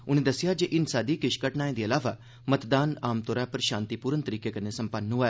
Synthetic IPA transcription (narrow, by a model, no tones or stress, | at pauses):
ʊnẽːd̪əsːɪjaːd͡ʒeʔɪnsaːd̪iːkɪʃkəʈnaːẽd̪iːɐlaːʋaː | mət̪d̪aːnaːmt̪oːɾaːpəɾʃãːnt̪ipuːɾənt̪əɾiːkekɐnesəmpənːɦua